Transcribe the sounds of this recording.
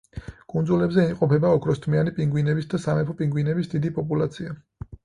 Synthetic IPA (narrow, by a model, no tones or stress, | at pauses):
kʼund̪zulɛbzɛimqʼɔpʰɛbaɔkʰɾɔst̪ʰmianipʼiŋɡwinɛbisd̪asamɛpʰɔpʼiŋɡwinɛbisd̪id̪ipʼɔpʼulat̪sʰia